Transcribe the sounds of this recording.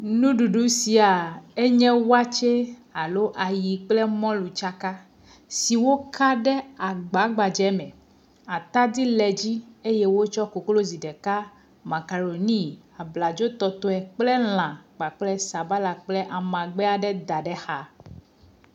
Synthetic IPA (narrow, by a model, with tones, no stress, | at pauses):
nũ˦ɖu˨ɖu˦si˨a˨e˦ɲɛ̃˦wa˦t͡ʃe˦a˨lo˦ʔa˨ji˨k͡plɛ˦mɔ̃˦lu˨t͡ʃa˦ka˦ | si˨wo˦kʰa˦ɖɛ˦a˨ɡ͡ba˨˦ɡ͡ba˨d͡ʒɛ˨˦mɛ̃˨ | a˨t̪a˦d̪i˦lɛ˨d͡ʑi˦e˦jɛ˦wo˦t͡ʃɔ˦ko˨klo˦zi˨ɖɛ˨ka˦ | ma˨ka˨ɖo˨nĩ˦˨ | a˨bla˨d͡ʒo˦t̪ɔ˦t̪o˦ɛ˨k͡plɛ˦l̃ã˨ɡ͡ba˨k͡plɛ˦sa˨ba˦la˨k͡plɛ˦ʔa˨mã˨ɡ͡bɛ˦a˨ɖɛ˦d̪a˨ɖɛ˦xa˦